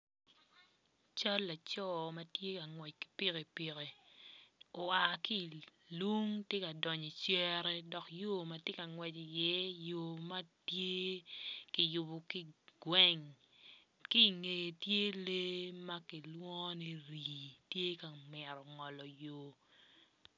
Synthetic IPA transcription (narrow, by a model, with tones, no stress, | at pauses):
t͡ʃa˦lːa˨t͡ʃɔ˦ma˦tje˦ka˨ŋwɛ˨t͡ʃki̥˨pi˦ɣe˨pi˨ɾe˨ | o˨a˨ki˦˨lu˦ŋte˦ka˨dɔ˨ɲɔ˨t͡ʃjɛ˦ɾɛ˦dɔ˨kjo˦ma˨tje˦ka˨ŋwɛ˨t͡ʃi˨jɛ˦jo˨ma˦tje˦ki˨jʊ˨bo˨ki˦ɡ̥wɛ˦ŋ | ki˦˨ŋe˨je˨tje˦le˦ma˦ki˨lwɔ˦ni˦ɾi˨tje˦ka˨mɛ˨ɾɔ˨ŋɔ˨lɔ˨jo˨